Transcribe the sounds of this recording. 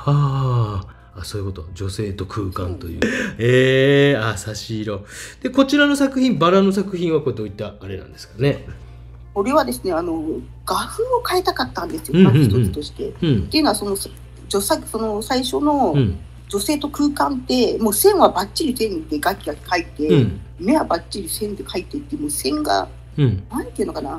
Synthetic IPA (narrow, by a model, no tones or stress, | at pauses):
aː | aso̞ːi̟ko̞t̪o̞d͡ʑo̞se̞ːt̪o̞kʰɯːkã̰nt̪o̞jɯ̰ːeːasaɕiɾo̞d̪̥e̞ko̞t͡ɕiɾano̞sakɯ̟çĩmbaɾanosakɯ̟çĩɰ̃βakoɾed̪o̞ːit̪ːaːɾe̞nã̰nd̪e̞sɨ̥kane̞ | ko̞ɾe̞βad̪e̞sɨne̞ano̞ | ɡ̥aɸɯ̟ːokaet̪akat̪ːãnd̪e̞sɨjo̞ait̪ot͡sɨ̥t̪o̞ɕi̥t̪e̞̰t̪ːe̞iɯ̟noaso̞no̞s | d͡ʑosaso̞no̞saiɕo̞no̞ | d͡ʑo̞se̞ːt̪o̞kɯ̟ːkãnt̪e̞mo̞ːsẽ̞ɰ̃βabat͡ɕːiɾʲisẽ̞nd̪e̞ɡakʲiɡakkait̪e̞me̞βabat͡ɕːiɾʲisẽ̞nd̪ekait̪ːe̞t̪ːemoːsẽ̞ŋɡã̰ | ɴnãnt̪eiɯno̞kana